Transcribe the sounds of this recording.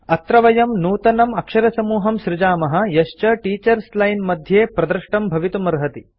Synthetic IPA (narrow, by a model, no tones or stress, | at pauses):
ɐt̪ɾɐʋɐjɐmnuːt̪ɐnɐmɐkʂɐɾɐsɐmuːɦɐmʃɾɪd͡ʒaːmɐɦɐ̆jɐʃt͡ʃɐʈiːt͡ʃɐɾslɐjnmɐd̪ʱjeːpɾɐd̪ɾʂʈɐmbʱɐʋit̪umɐɾɦɐt̪i